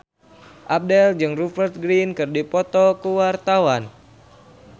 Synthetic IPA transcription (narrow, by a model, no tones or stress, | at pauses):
ʔap̚dɛld͡ʒɨŋrufərt̪̚ɡɾinkɨrdipɔt̪ɔkəwart̪awan